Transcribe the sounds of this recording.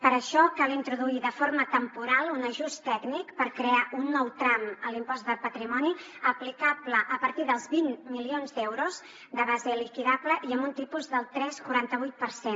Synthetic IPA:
pəɾəʃɔkalint̪ɾuðuiðəfoɾmət̪əmpuɾalˠunəʒust̪ɛɡnikpəɾkɾeaʔunːɔwt̪ɾaməlimpɔzd̪əlˠpət̪ɾimɔni | əplikapləʔəpəɾt̪iðəlˠzβinːilionzd̪ɛwɾuz | d̪əβazəlikiðabləʔiəmbunt̪ipuzðəlˠt̪ɾɛskuɾant̪əβ̞ujt̪̚pəɾsen

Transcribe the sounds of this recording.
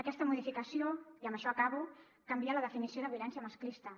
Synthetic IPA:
əkɛst̪əmuð̞ifikəsioiəmbəʃɔɐkaβu | kambialəðəfinisioðəβjulɛnsjəməsklist̪ə

